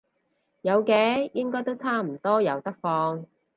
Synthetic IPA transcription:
jɐ˨˧wkɛː˨˥jɪ˥ŋkɔː˥jt̪o˥wt͡sʰaː˥˩m̩˨˩t̪ɔː˥jɐ˨˧wt̪ɐ˥k̚fɔː˧ŋ

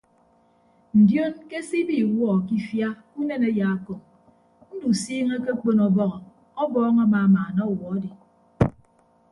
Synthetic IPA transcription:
n̩˨djo˦nke˦si˦bi˦˨wɔ˦˨ki˦fja˦ | u˦ne˦ne˦ja˨a˦kɔ˨ŋ | n̩˦du˨siː˦ŋe˦k̬e˦k͡po˦nɔ˨bɔ˦ɣɔ˨ | ɔ˦bɔː˦ŋa˦maː˨a˨maː˨nɔ˦˨wɔ˨a˦di˨

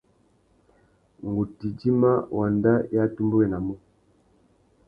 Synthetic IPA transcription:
ŋɡu˨ti˨d͡ʒi˦ma˦wa˨nda˦ja˦tu˦mbu˦wɛ˨na˨mɔ˦

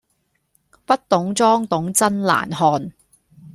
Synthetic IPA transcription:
pɐ˥t̚t̪ʊ˨˥ŋt͡sɔː˥ŋt̪ʊ˨˥ŋt͡sɐ˥nla̰ː˨˩nhɔː˧n

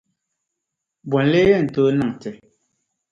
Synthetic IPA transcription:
bwɔ˨n˦le˦jɛ˦˨n̩˨to˦na˦˨ŋtɛ˨

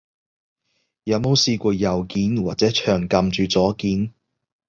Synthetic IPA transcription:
jɐ˨˥wmo˨˧wsiː˧kʷɔː˧jɐ˨˩wkiː˨˥nwaː˨t̚t͡sɛː˨˥t͡ʃʰœː˨˩ŋkɐ˨mt͡ʃyː˨˧t͡sɔː˨˥kiː˨˥n

